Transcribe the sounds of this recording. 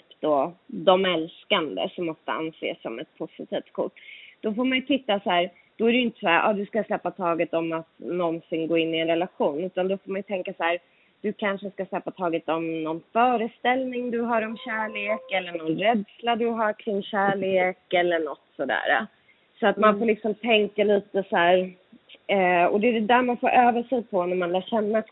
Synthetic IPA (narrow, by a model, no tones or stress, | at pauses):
pd̪̥ɔːd̪ɔmɛlskand̪ə̰sɔmːɔft̪ə̰a̰nsḛːsːɔ̰mɛt̪̚pʰʊsɪt̪ʰiːft̪̚kʰʊ̰ʈːd̪̥ɔfoːɾmanjɵt̪ʰɪt̪ːasæːɾ | d̪̥ɔæɾɛjʏnt̪ə̥sæːɾʔɑ̰ːd̪ɵskaslɛpːat̪ʰɑːɡət̪ɔmat̪nɔnsɪŋɡoːɪnːɪɛnɾɛlaɧuːnʉ̟ːt̪and̪ɔfoːɾmanjɵt̪ʰɛŋkashæːɾ | d̪̥ɵkʰanʂəskaslɛpːat̪ʰɑːɡət̪ɔmnɔnfœːɾəst̪ɛlnɪŋd̪ɵɦaɾɔmɕæːɭeːkɛlːəɳɔnɾɛd̪slad̪ɵɦaɾkʰɾɪŋːɕæːɭeːkɛlːəɳɔt̪ːsɔd̪æ̰ːɾa̰ | sɔat̪manfoːlɪksɔmt̪ʰɛŋkaliːt̪əsæːɾ | ɛɔ̰d̪ɛd̪æɾmanfo̰ːɾʔøːvəʂɛjpʰɔnæɾmanlæːɕɛnːa